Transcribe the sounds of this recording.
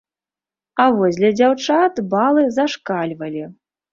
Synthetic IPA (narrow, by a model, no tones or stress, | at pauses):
avɔzʲlʲɐd͡zʲawt͡ʂat̪balˠɨzaʂkalʲvɐlʲi